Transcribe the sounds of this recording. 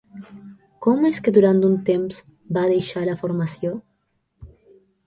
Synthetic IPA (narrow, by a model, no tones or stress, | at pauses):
kɔmesked̪uɾant̪unt̪emz̥ | baðejʃalafoɾmasjo